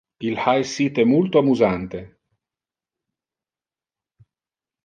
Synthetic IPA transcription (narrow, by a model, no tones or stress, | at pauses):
ilħajsit̪ɛmult̪oamuzant̪e